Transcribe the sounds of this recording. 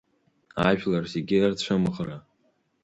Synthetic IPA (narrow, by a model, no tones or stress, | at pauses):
aʒᶣlarzeɡʲiart͡ɕʷʰamɨχra